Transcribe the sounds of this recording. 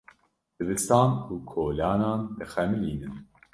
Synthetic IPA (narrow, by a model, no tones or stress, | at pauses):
d̪̥ɨbɨst̪ɑːnuːkʰoːlɑːnɑːnd̪ɨxɛmɨliːnɨn